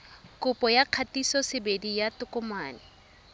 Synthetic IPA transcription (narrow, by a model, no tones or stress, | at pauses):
kʊpʼɔjaq͡χʰatisɔsɪbedijatʊkʊmaːnɪ